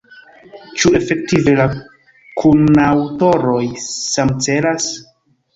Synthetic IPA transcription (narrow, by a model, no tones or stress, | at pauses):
t͡ʃue̞fe̞k̚tive̞la | kʰunawto̞ɾo̞jsamt͡se̞las